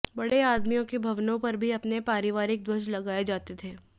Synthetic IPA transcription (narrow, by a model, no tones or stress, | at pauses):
bɐɽeaːd̪mijõkebʱɐʋnõpɐɾbʱiɐpnepaːɾɪʋaːɾɪk̚d̪wɐʃlɐɡaːed͡ʒaːt̪et̪ʰeː